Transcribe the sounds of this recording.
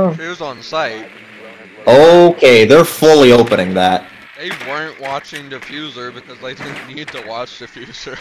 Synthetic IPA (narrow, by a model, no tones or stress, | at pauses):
ɪɹzn̩saɪt̚ | oʊkʰeɪðə˞fʊlˠioʊpənɪ̃ŋðæt̚ | ðeɪwɜ̃˞nʔwɑt͡ʃɪ̃ŋdɨfjʉzə˞bɨkʰʌzðeɪdɪdⁿn̩nid̚tʰəwɑt͡ʃdɨfjʉz̥ə˞